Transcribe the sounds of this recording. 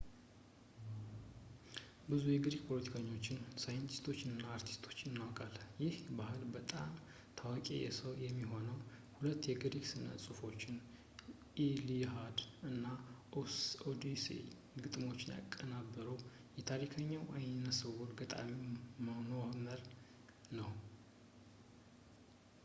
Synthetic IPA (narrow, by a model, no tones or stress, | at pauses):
bɨzujɛɡɨɾikpʰo̞lət̪ʰi̥kʰəɲːo̞t͡ʃːɪnsajɨnt̪ʰist̪ʰo̞t͡ʃːɪnɨnːaːɾt̪ʰi̥st̪ʰo̞̥t͡ʃːɨnːawkʼaljɪhbahɨlbət̪ʼam | t̪ʰawakʼḛjɛ̰səwjɛmːiɦo̞nəwhulət̪ːjɛɡɨɾiksɨnə̰sʼufo̞t͡ʃːɪn | ʔiliɦad̪ɨnːaʔosod̪isḛ | ɡɨt̪ʼmo̞t͡ʃːɪnja̰kʼːənabːəɾəw | jɛt̪ʰaɾikʰəɲːawʔajnəsəwɔɾɡət̪ʼa̰mimanəaməɾ | nəw